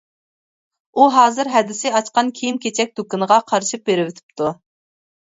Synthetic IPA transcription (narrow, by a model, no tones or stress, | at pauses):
uɦɑːzɨɾɦɛd̪ɪsɪɑt͡ʃqɑnkʲʰijimkʲʰet͡ʃʰɛk̚ʲd̪̥okɨnəʁɑqʰɑɾʃɨp̚beɾɪwɪt̪ʰɪ̥p̚t̪ʰu